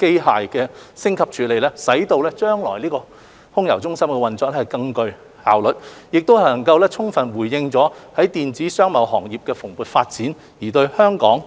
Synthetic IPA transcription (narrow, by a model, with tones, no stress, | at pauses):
ke˥jɦaː˨jkɛː˧sɪ˥ŋkʰɐ˨p̚t͡ʃʰyː˨˥le˨jlɛː˥sɐ˨˥jt̪o˧wlɛː˥t͡ʃœː˥ŋlɔ̰ː˨˩jliː˥kɔː˧ | hʊ˥ŋjɐ̰˨˩wt͡sʊ˥ŋsɐ˥mkɛː˧wɐ˨nt͡sɔː˨˧k̚ɛ˥hɐ˨jkɐ˧ŋkɵ˧ɥ | ha̰ː˨wlɵ˨t̚jɪ˨k̚t̪o˥whɐ˨˩lnɐ˨˩ŋkɐ˧wlɛː˥t͡sʰʊ˥ŋfɐ˨˩nwuː˨˩jːɪ˧ŋt͡sɔː˨˥hɐ˨˥jt̪iː˨nt͡siː˨˥sœː˥ŋmɐ˨˩wɦɔː˨˩ŋjiː˨p̚kɛː˧fʊ˨˩ŋpuː˨t̚faː˧t̚t͡siː˨˥n | jiː˨˩t̪ɵ˧ɥhœː˥ŋkɔː˨˥ŋ